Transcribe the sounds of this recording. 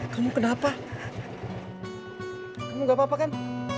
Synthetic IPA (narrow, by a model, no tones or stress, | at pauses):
kamukənapa | kamuɡapapakan